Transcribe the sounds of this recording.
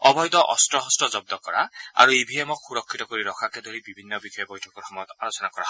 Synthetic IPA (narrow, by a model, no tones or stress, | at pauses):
ɔbʱɔjt̪ɔʔɔstɹɔɦɔstɹɔzɔb̚d̪ɔkɔɹa̰a̰ɹuibʱiɛmɔkʰxuɹɔkʰːitɔkoɹiɹɔkʰakɛd̪oɹibibʱinːɔbixʰɔjɔbɔjtʰɔkɔɹxɔmɔjɔt̪aɹɔsɔnakɔa̰ɦ